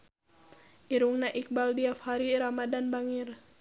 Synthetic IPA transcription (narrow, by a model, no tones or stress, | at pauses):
ʔiɾuŋnaʔik̚baldiafhaɾiɾamadanbaŋir